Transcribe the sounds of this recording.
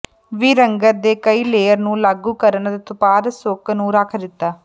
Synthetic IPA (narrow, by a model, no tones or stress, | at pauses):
ʋiːɾəŋɡəɾd̪eːkəiːleːəɾnũːlaːɡuːkəɾənt̪eːt̪ʊpaːɾsoknũːɾaːkʰd̪ɪt̪ːaː